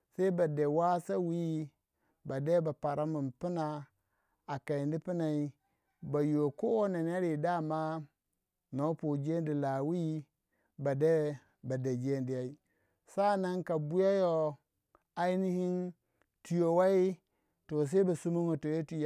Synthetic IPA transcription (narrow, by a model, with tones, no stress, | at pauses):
sa˦i˦ba˨de˨wa˦sa˦wi˦ji˦ | ba˨de˦ba˨pa˨ɾa˦mu˨npi˦na˨ | a˨ka˨i˨ndi˦pi˦na˨i˦ | ba˨jo˨ko˦o˦na˨n˦a˦ɾi˨da˦˨ma˦ | no˨˦po˨d͡ʒe˦ndi˨la˨wi˦i˦ | ba˨de˦ | ba˨de˨d͡ʒe˦ndi˨ja˨i˦ | sa˦na˦ŋka˨bu˦ja˦jo˦ | a˦i˦ni˦hi˦n | tu˨jo˨wa˦i˦ | to˨s̬e˦ba˨su˦mu˦ŋo˨to˨jo˦tu˨ja˦